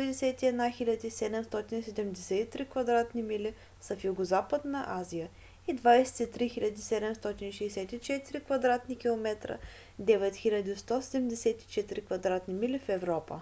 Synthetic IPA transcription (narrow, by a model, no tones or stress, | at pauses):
ɛd̪ɛsɛt̪iɛd̪naxilʲad̪ʲisɛd̪ɛmst̪ɔt̪inisɛd̪ɛmd̪ɛsɛt̪it̪ɾikvɐd̪ɾat̪nimili | sɐfjuɡozapəd̪nəʔazijə | id̪vajsɛ̥t̪it̪ɾixilʲɐd̪isɛd̪ɛmst̪ɔt̪iniʃɛːsɛt̪it͡ʃɛt̪iɾikvɐd̪ɾat̪nikʲilˠomɛt̪ɾə̰ | d̪ɛvɛt̪xilʲɐd̪ist̪ɔsɛd̪ɛmd̪ɛsɛt̪i̥t͡ʃɛt̪iɾikvɐd̪ɾat̪nimilifɛvɾɔpə̰